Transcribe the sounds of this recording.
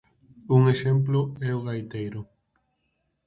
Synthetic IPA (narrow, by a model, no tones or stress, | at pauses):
uŋeʃemp̬loɛoɣajt̪ejɾo